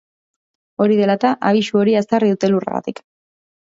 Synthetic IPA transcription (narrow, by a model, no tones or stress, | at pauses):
o̞ɾiðe̞lat̪aʔaβ̞iʃuo̞ɾiast̪ariðut̪e̞lurḛɣa̰t̪ik